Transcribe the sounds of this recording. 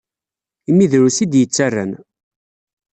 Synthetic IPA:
imːiðɾusid̪jət͡sːarːæ̰n

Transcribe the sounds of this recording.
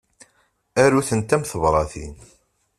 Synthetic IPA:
æɾuθənt̪æmθəvɾˤɑθḭn

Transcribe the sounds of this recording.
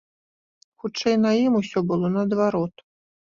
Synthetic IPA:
xut͡ʂɛjnɐjimusʲɔbɨlˠɔnɐːd̪vaɾɔt̪

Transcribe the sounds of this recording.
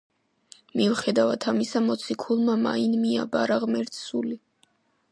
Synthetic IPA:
miuχɛd̪avat̪ʰamisamɔt̪sʰikʰulˠmama̰inmia̰baɾaʁmɛɾt̪suli

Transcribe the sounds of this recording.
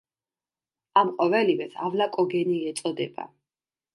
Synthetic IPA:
amqʼɔvɛlivɛt̪ʰavlakʼɔɡɛniɛt̪sʼɔd̪ɛba̰

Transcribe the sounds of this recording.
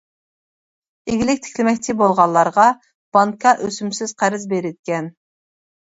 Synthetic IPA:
eɡʲilɪkʲt̪ʰɪ̥kʲlɪmɛkʲt͡ʃʰɪbolˠʁɑlˠːɑɾʁɑ | b̥ɑŋkʰɑʔøsymsɪz̥qʰæɾɪzbeɾɪd̪ɪkʲɛn

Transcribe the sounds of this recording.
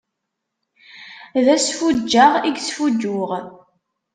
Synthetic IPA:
ðæsfud͡ʒːaʁiɡsfud͡ʒːʊʁ

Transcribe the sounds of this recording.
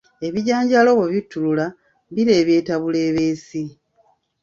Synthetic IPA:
e̞βiɟaːɲɟalo̞βeβitːulula | biɾe̞ːβje̞ːtaβule̞ːβe̞ːsi

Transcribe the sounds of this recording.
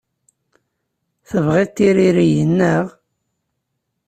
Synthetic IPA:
θəvʁet̪ːiɾiɾijənːəʁ

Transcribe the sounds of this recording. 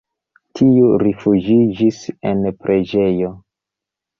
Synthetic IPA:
tʰiuɾifud͡ʒid͡ʒise̞̰npɾʔe̞d͡ʒe̞jo̞

